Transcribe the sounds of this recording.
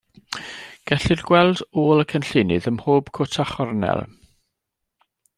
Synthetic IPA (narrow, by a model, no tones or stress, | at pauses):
ɡ̥ɛɬɨrɡ̥wɛlˠdoːlˠəkʰənɬɪnɨðəmhoːb̥kʰʊtʰaχɔrnɛ̰lˠ